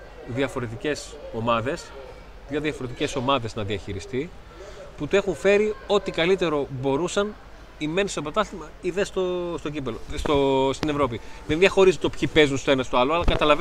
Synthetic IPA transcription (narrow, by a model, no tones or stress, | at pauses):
ðiɐfo̞ɾe̞t̪̬ice̞s | o̞mɐðe̞s | ðjɐðiɐfo̞ɾe̞t̪̬ice̞so̞mɐðe̞znɐðiɐçiɾist̪i | put̪ue̞xuɱfe̞ɾio̞t̪ikɐlit̪e̞ɾo̞bo̞ɾusɐn | ime̞nstopɐt̪ɐst̪imɐiðest̪ost̪o̞ɟipelost̪ost̪ine̞vɾo̞p̬iðenðʝɐxo̞ɾizet̪opçipe̞zunst̪oenɐst̪oɐloɐlɐkɐt̪ɐlɐv